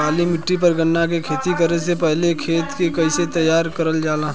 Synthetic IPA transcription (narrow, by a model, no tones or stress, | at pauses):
aːlimɪʈːipɐɾɡɐnːak̬ekʰeːt̪ikɐɾesepɛɦlekʰeːt̪kekɐɪset̪ɐjaːɾkɐɾəld͡ʒaːlaː